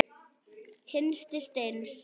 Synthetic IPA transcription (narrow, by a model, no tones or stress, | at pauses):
hensd̪̥esd̪̥æns